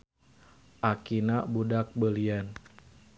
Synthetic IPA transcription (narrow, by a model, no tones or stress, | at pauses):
ʔakinabudak̚bəlian